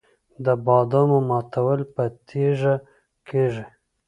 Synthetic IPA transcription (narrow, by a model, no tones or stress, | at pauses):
d̪əbɑd̪ɑmomɑt̪awəlpət̪ʰeʐa | keʐi